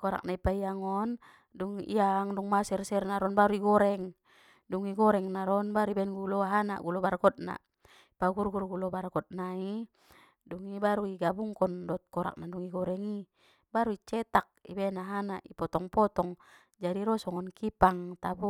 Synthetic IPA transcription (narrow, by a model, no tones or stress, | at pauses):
kɔɾa̰k̚naipaiaŋɔn | duŋḭaŋduŋmasɛrsɛrnaɾɔnbaɾuiɡɔɾɛŋ | duŋiɡɔɾɛŋnaɾɔnbaɾuibɛnɡulɔaɦana̰ʔɡulɔbarɡɔt̪̚na̰ | ipaɡurɡurɡulɔbarɡɔt̪̚nai | duŋibaɾuiɡabuŋkɔndɔt̪̚kɔɾa̰k̚naduŋiɡɔɾɛŋi | baɾuit͡ʃɛt̪ak̚ḭbɛnaɦanaʔipɔt̪ɔŋpɔt̪ɔŋ | d͡ʒadiɾɔsɔŋɔnkipaŋt̪abu